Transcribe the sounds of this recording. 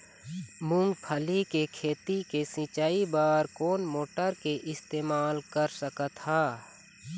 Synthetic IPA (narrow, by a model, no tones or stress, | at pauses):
mʊ̃ŋɡpʰəlikekʰeːt̪ikesĩt͡ʃaːibaːɾkoːnmoːʈəɾkeʔɪst̪eːmaːlkəɾsəkət̪haː